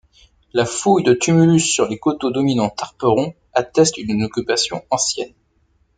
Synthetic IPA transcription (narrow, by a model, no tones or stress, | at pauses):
lafujd̪ət̪ymylysːyʁlekot̪od̪ɔminɑ̃t̪aʁpəʁɔ̃ | at̪ɛst̪ynnɔkʲypasjɔ̰̃ɑ̃sjɛn